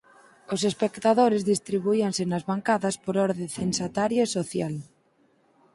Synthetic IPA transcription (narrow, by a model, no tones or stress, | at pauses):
os̬espekt̪aðoɾezðist̪ɾiβuiansenazβaŋkaðaspoɾoɾðeθensat̪aɾjoesoθjal